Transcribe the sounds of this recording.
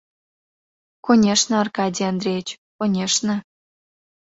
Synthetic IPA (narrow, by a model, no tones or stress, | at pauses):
konʲeʃnɤ̆ɑrkɑdʲiand̪ɾʲejet͡ɕ | onʲeʂnɤ̆